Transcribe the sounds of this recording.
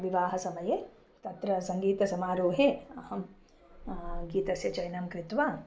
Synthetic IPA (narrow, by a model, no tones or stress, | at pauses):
ʋiʋaːɦɐsɐmɐjeː | t̪ɐt̪ɾɐsɐŋɡiːt̪ɐsɐmaːɾuːɦeɐhɐm | ɡiːt̪ɐsjɐt͡ʃɐjnɐmkɾɪt̪ʋaː